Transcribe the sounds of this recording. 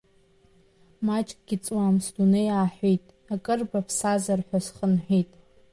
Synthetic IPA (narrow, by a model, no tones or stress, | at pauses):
mat͡ʃʼkʼɡ̥ʲit͡sʼwamsdunejaːħʷejtʼ | akʼɨrbapʰsazarħʷᶣasχənħʷᶣijtʼ